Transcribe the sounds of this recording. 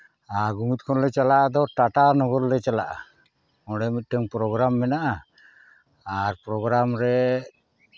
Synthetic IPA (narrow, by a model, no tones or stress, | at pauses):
aɡumit̪̚ˀkʰɔnlɛt͡ʃalaʔad̪ɔʈaʈanɔɡɔɾlɛt͡ʃalaʔa̰ | ɔɽɛmit̪̚ˀʈɛŋpɾɔɡɾamːɛnaʔa | ɾpɾɔɡɾamɾɛ